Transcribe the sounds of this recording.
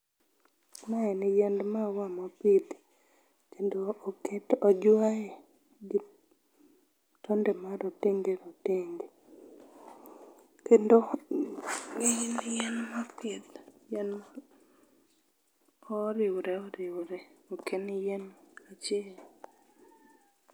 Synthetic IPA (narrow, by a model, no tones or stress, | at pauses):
naɛnɪjɛndmawamɔpid̪ | kendoːkɛtɔd͡ʒwaɛ | ɡi | tɔndɛmaɾotiŋɡeɾotiŋɡe | kendo | ijnjɛnmapɪt̪jɛn | ɔɾɪwɾɛɔɾɪwɾɛokenjɛnat͡ʃɛl